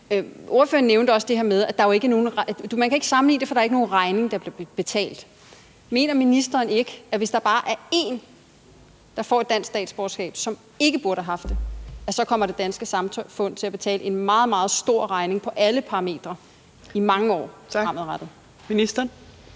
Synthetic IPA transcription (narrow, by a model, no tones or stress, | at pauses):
o̝ɐfø̰ːɐn̩ːeʊndəɒ̽səd̥e̝heɐmeð̞ˠæd̥ɑ̈ʋe̝ɡ̥əno̝ːn̩ʁd̥umænkʰæe̝ɡ̥ə̥sɑ̈mn̩lḭːnde̝fɒd̥ɾɑ̈æɐe̝ɡ̥əno̝ːn̩ʁɑ̈ɪne̝ŋd̥ɑ̈b̥le̝̥b̥e̝t͡sʰɛ̰ːld̥ | me̝̰ːnɐminisd̥ɐːne̝ɡ̥əæʋe̝sd̥ɑ̈b̥ɑ̈ːʔæɐe̝ːn | d̥ɑ̈fɒ̰ːe̝d̥ːæn̰sɡsd̥ɛ̰ːd̥sb̥oːsɡ̥ɛ̰ːb̥sɒ̽m | e̝ɡ̥əb̥uɐɾəhæɦɑ̈fd̥e̝æsɒ̽kʰɒ̽m̰ɐɾ̥e̝d̥ænsɡ̥əsɑ̈mt͡sʰɒfɔ̽n̰̥t͡sʰe̝læb̥e̝t͡sʰɛ̰ːləe̝nmɑ̈ːð̞̩ˠmɑ̈ːð̞̩ˠsd̥o̝ɐ̰ʁɑ̈ɪne̝ŋpʰɒ̽ʔæləpʰɑ̈ʁɑme̝̰ːd̥ʁɐ | imɑ̈ŋəɒ̰ːɑm̰ð̩ˠʁɑd̥ð̩ˠ | minisd̥ɐn